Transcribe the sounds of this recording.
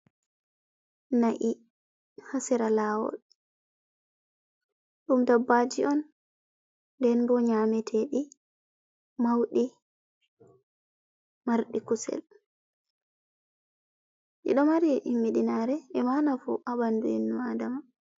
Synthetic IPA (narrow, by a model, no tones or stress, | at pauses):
naʔi | hasɛɾalaːwɔ̰l | ɗumdabːad͡ʒiʔɔn | dɛnbɔɲamɛtʰɛɗi | mawɗi | maɾɗikusɛ̰l | ʔḭɗɔmaɾiʔimːiɗinaɾɛɛmanafṵʔabanduinːuadama